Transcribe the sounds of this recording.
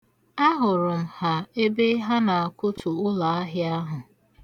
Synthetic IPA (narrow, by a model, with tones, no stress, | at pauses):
a˦ɦʊ˨ɾʊ˨m̩˨ha˨e˦be˦ɦa˦na˨a˨kʷʊ˦tʊ˨ʊ˦la˨a˦ɦɪ˦a˦ɦʊ˨